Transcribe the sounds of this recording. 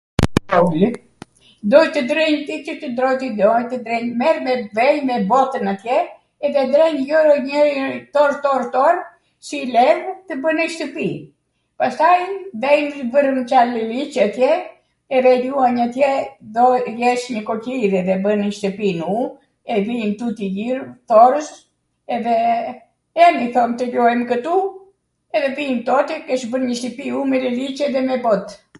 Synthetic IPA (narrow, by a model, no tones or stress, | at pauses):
ɔli | d̪ɔjt̪əd̪ɾiɲt̪it͡ʃət̪əd̪ɾɔjt̪id̪ɔjt̪əd̪ɾɛɲmɛɾmɛvɛjmɛbɔt̪ənat̪jɛ | ɛðɛd̪ɾɛɲjɔɾɲət̪ɔɾt̪ɔɾt̪ɔɾ | silɛɾt̪əbənɛʃt̪əpi | past̪ajvɛjnvərənt͡ʃalːəlit͡ʃat̪jɛ | ɛðɛluaɲat̪jɛðɔjɛʃɲəkɔciɾɛðɛbənʃt̪əpinu | ɛvint̪ut̪ijiɾθɔɾəs | ɛðɛ | ɛmiθɔmt̪əʎɔɛmkət̪u | ɛðɛvint̪ɔt̪ikɛʃbənɲəʃt̪əpiumɛlɛlit͡ʃɛðɛmɛbɔt̪